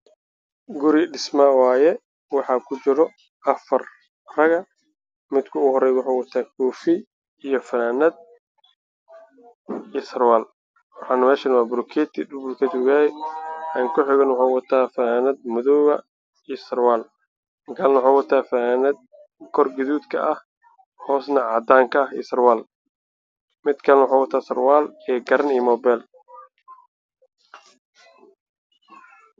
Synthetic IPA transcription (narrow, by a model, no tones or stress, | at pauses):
ɡʊɾɪɖɪsmawaːjɛ | wɑħɑːkʰʊt͡ʃɪɾɔ | ʔɐfɐr | rɐɣɐ | mɪd̪kʰʊʊhɔɾɛjwʊħaːwɐt̪ʰaːkʰɔːfɪ | ijɔfɐnaːnɐd̪̚ | isɐrwaːl | wɑħɑːnɐmɛːʃɐnwaːbʊɾʊkʰɛt̪ʰbɾkʰɛːt̪ʰɪʊɣaːjɛaːŋkʰʊħɪɣɐnwɑħaːwɐt̪ʰaːfɐaːnɐd̪mʊðɔɣɐ | isɐrwaːl | kʰalnɐwʊħaːwɑt̪ʰaːfɐaːnɐd̪̚ | kʰɔrɡɐðuːd̪kʰɐ̰ʔɐh | hɔːsnɐʕɑd̪aːŋkʰɐḭsɐrwaːl | mɪd̪kʰɐlnwħaːwɐt̪ʰaːsɐrwaːlɛːɡɐɾɐniːmɔːbɛl